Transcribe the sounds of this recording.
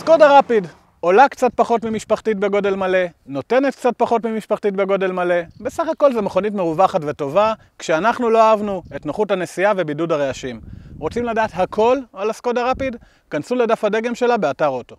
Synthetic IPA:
sko̞daʁapid | o̞lakt͡sat̚paχo̞tmimiʃpaχtit̚be̞ɡo̞de̞lmale̞no̞te̞ne̞tkt͡sat̚paχo̞tmimiʃpaχtitbeɡo̞de̞lmale̞be̞saχako̞lzemeχo̞nit̬me̞ʁuvaχatveto̞va | kʃeanaχnulo̞aavnue̞tnoχutane̞siave̞bidudaʁeaʃimʁo̞t͡simladaːtɦakʰo̞lalasko̞daʁapid | kansuledafhade̞ɡe̞mʃe̞labeataʁo̞to̞

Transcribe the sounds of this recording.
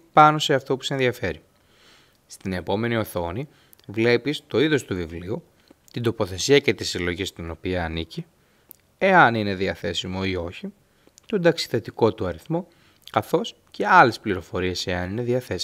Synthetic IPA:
pɐno̞se̞ɐft̪o̞pu̥seenðiɐfeɾi | st̪ine̞po̞me̞nio̞θo̞ni | vle̞pist̪o̞iðo̞st̪uvivliu | t̪ind̪o̞po̞θe̞siɐce̞t̪isilo̞ʝist̪ino̞piɐːnici | e̞ɐnine̞ðiɐθe̞simo̞io̞çi | t̪ond̪ɐksi̥θe̞t̪iko̞t̪uɐɾiθmo̞ | kɐθo̞s | ce̞ɐlespliɾo̞fo̞ɾie̞se̞ɐnine̞ðiɐθe̞s

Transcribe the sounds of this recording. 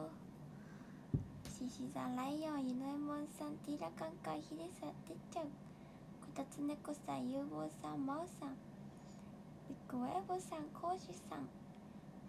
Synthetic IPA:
ɕiɕiza̰lajjɑ̃jinoemonsãnt̪iɾakaŋkahid̪isat̪et͡ʃaŋ | kʰot̪at͡sɨnekosa̰jɯbosaŋmawsaŋ | ikuwebosaŋkʰoɕisa̰ŋ

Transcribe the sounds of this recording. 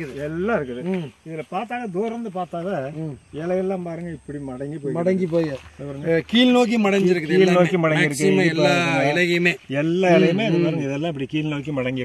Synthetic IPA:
ðɯɛlːãːɪɾɯkːɯðɯɪðɪlɐpaːɾt̪aːɣɐd̪oːɾɾɯnd̪ɯpaːɾt̪aːðɐːɛlɐɣɛlːãːmpaːɾɯŋɡɐɪpːɐɽimɐɽɐŋɡipoːjmɐɽɐŋɡip̬oːjɐpːɐɾɯŋɡɐkiːlnoːk̬imɐɽɐɲd͡ʒd͡ʒɾkːkiːlnoːkːimɐɽɐŋɡɪɾɯkːpːoːɾɯɡɛlɐjɐmeːɛlːaːɛlɐjɐmeːɐðɐmaːɾɯŋɡɐɪðɛlːãːɪpːɐɽikiːlnoːkːimɐɽɐŋɡɪɾɯkː

